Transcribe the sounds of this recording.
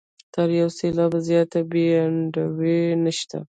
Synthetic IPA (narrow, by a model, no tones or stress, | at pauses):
t̪aɾjawselɑbazjɑt̪abeaɳɖawenaʃt̪a̰